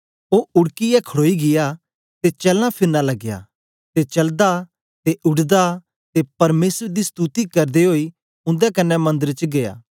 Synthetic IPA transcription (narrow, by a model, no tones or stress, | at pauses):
oːʊɽkijɛkʰəɽoːiɡɪja | t̪et͡ʃɛːlãpʰɪɾnːalɐɡja̰ | t̪et͡ʃɐld̪a | t̪eʔʊɽd̪a | t̪epɐɾmeːsɾd̪ist̪ut̪ikɐɾd̪eɦoːi | ʊ̃nd̪ɛkɐnːɛmɐ̃nd̪əɾt͡ʃɡeːa̰ː